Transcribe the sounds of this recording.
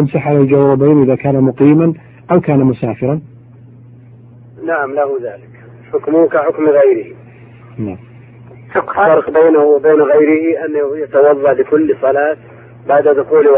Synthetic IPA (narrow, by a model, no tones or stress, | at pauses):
amsaħʕalald͡ʒawɾˤɑbeːnʔɪðakaːnamʊqiːman | ʔawkaːnamʊsaːfɪɾˤɑn | naʕamlahʊðaːlɪk | ħʊkmʊkaħʊkmɣajɾɪhi | naʕam | ʃʊqːfaɑɾˤqbeːnahwɪbeːnɣajɾɪhiʔanːahjat̪awɑðˤːɑʕlɪkʊlːsˤɑlɑːt̪ | baʕd̪ad̪ʊxuːl